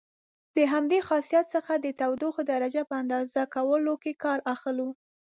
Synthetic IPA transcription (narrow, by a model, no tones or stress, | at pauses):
d̪̥əɦamd̪exɑsijat̪səxad̪ət̪awd̪uxd̪aɾad͡ʒapəand̪ɑzakawəlokekɑɾaxlu